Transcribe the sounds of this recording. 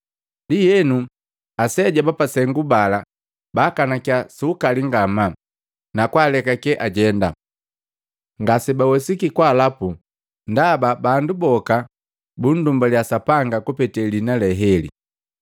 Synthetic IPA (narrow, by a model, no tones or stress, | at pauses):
lijɛnu | asɛɟabapasɛŋɡubala | bakanakjasukaliŋɡama | nakwaːlɛkakɛʔaɟɛnda̰ | ŋɡasɛbawɛsikikwaːlapu | ndababandubɔka | bundumbaljasapaŋɡakupɛtɛlinalɛɦɛlḭ